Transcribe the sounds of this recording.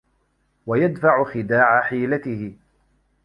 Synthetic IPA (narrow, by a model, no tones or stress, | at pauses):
wajad̪faʕʊxɪd̪aːʕaħiːlat̪ɪhɪ